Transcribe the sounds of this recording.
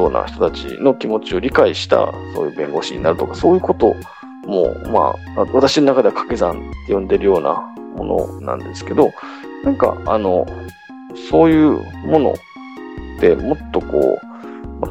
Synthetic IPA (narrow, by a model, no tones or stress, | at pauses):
oːna̰çi̥t̪o̞t̪at͡ɕḭno̞kʲimo̞t͡ɕio̞ɾʲikaiɕi̥t̪a̰so̞ːjɯ̟ːbẽ̞ŋɡo̞ɕiɲ̟inaɾɯ̟t̪okaso̞ːjɯ̟ːko̞t̪o̞ | mo̞̰ma̰ | βat̪aɕino̞nakad̪e̞akḁke̞zãnjõ̞nd̪e̞ɾɯ̟jo̞ːna̰mo̞̰no̞̰nã̰nd̪e̞sɨ̥ke̞d̪o̞nãŋka̰ano̞ | so̞ːjɯ̟ːmo̞no̞̰ | t̪e̞mo̞t̪ːo̞ko̞̰ːma